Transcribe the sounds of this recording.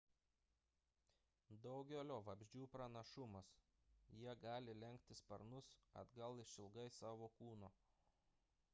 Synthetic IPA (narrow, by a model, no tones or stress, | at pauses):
d̪ɒʊɡʲolʲoːʋɐbʲʒʲd͡ʒʲuːpɾɐnɐʃʊmɐs | jiɛɡɑːlʲɪlʲɛŋʲkʲt̪ʲɪspɐɾnʊsɐ̰d̪ɡɐlˠɪʃʲɪlˠɡɐɪsɑːʋoːkuːnoː